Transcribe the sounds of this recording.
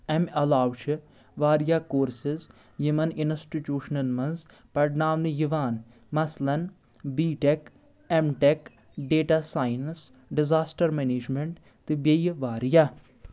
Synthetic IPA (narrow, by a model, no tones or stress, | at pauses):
ɛmɐlaːʋʃʰi | ʋaːɾijaːkoːɾsɪz | jumɐnɪnsʈiʈjuːʃnɐlmɐnz | pɐʈnaːmnɨjiʋaːn | mɐslɐn | biːʈek | emʈek | ɖeːʈaːsaːjns | ɖɪzaːsʈɐɾmeneːd͡ʒmẽɳʈ | t̪ɨbejʋaːɾija